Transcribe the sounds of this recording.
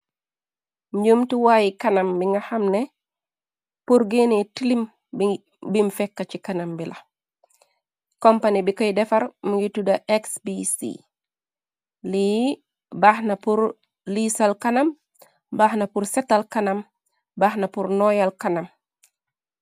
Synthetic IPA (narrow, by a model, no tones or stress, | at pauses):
muɲomtiwaːjikanambiŋɡahamnɛ | puɾɡenetilim | bimfɛkːat͡ʃikanambila | kompanibikojdɛfaɾmuɡitudaʔeksbisḭ | li | bahnapuɾ | lisalkanam | baːhnapuɾsɛtalkanam | baːhnapuɾnɔjalkanam